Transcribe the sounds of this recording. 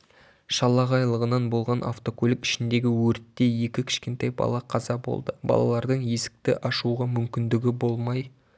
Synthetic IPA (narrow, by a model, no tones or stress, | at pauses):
ʃɑlˠːɑʁɑjlˠəʁənɑnbo̞lˠʁɑnʔa̰ft̪o̞kolʲɪkɪ̥ʃɪnd̪e̞ɡʲɪwɵɾt̪ːe̞je̞kʲɪkʲʰɪ̥ʃkʲe̞nt̪ɑjbɑ̰lˠɑqʰɑzɑbo̞̰lˠd̪əbɑ̰lˠɑ̰lˠɑɾd̪əɴje̞sɪ̥k̚t̪ɪʔɑʃuʁɑmʏmkʲɪnd̪ɪɡʲɪbo̞lˠmɑj